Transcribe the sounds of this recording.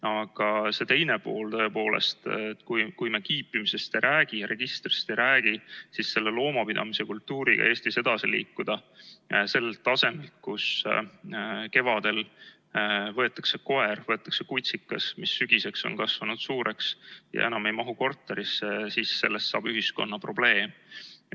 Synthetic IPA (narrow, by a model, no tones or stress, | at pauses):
ɑɡ̥ɑse̞t̪e̞jne̞po̞̰ːlt̪ɤ̞epo̞ːlḛst̪et̪ːkujkujmekiːpːimise̞st̪eɾʔæːɡ̥ijɑɾʔe̞ɡ̥ist̪rist̪ejɾæːɡ̥isisːe̞lːe̞lo̞ːmɑpid̪ɑ̰mise̞kult̪ːuːɾiɡ̥ɑ̰ʔe̞ːsʲt̪ise̞d̪̥ɑsilḭːkˑːud̪̥ɑse̞lːelt̪ːˑɑse̞melt̪̚kus | ke̞vɑd̪̥e̞l | vɤ̞e̞t̪ːˑɑkse̞ko̞e̞rvɤe̞t̪ːˑɑ̥kse̞kujt̪sikːˑɑsmisːyɡ̥ise̞kso̞̰nkɑsvɑnud̪̥suːɾe̞ksjɑ̰ʔenɑme̞jmɑɦuko̞rt̪ːˑe̞ɾisːesisse̞̰lːest̪sɑːb̥yɦisko̞̰nːɑpro̞b̥le̞ːm